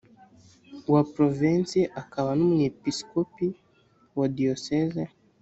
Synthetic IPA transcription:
wapɾɔvinsiʔakawanamuɲɛpiskɔpi | wadiɔsɛzɛ

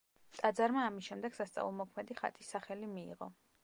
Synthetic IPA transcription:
t̪ʼad̪zaɾmaːmisʃɛmd̪ɛɡ̥sast̪sʼa̰vulˠmɔkʰmɛd̪iχa̰t̪ʼʰisːaχɛlimḭːʁɔ̰

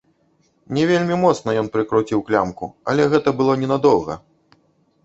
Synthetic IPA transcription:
nʲɛvʲelʲmʲimɔt̪snɐjɔnpɾɨkɾut͡sʲiwklʲamkṵɐ̰lʲɛɣɛt̪ɐbɨlˠɔnʲɛnad̪ɔwɣɐ̰

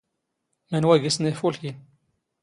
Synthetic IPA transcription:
mænwæɡəsnifulkin

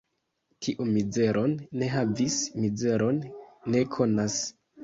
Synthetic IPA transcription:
tʰiʔumid͡ze̞ɾo̞nːe̞ɦavismize̞ɾo̞nːe̞kʰo̞nas

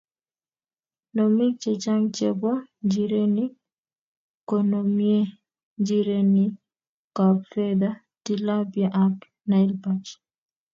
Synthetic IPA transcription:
nomit͡ʃet͡ʃaŋt͡ʃebɔd͡ʒiɾeni | konomje | d͡ʒiɾeni | kabfɛd̪a | tilabjaʔak | nailpat͡ʃ

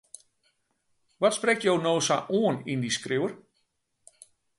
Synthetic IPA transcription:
ʋɔtsprɛk̚tjownoːsaʔuənindiskrɪwər

